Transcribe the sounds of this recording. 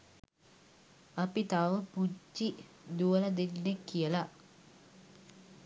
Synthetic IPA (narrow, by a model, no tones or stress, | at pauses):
ɐpit̪aʋəpud͡ʒi | d̪uəlɐd̪enːekːijəla